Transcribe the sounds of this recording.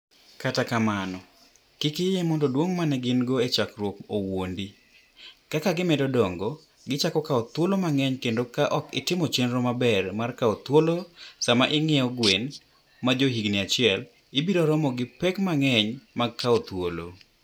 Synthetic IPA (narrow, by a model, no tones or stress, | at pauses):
katakamanɔ | kɪkɪjemɔndodwoŋmanɛɡɪnɡoet͡ʃakɾwokowondi | kakaɡɪmɛdɔdɔŋɡo | ɡɪt͡ʃakɔkaot̪wolomaŋɛɲkendokaʔɔkɪ̰tɪmɔt͡ʃenɾɔmabɛrmarkaot̪wolosamaʔɪŋɛɔɡwen | mad͡ʒoɦiɡniat͡ʃɪɛl | ɪbiɾɔɾɔmɔɡɪpɛkmaŋɛɲmaɡ̚kʰːaot̪wolo̰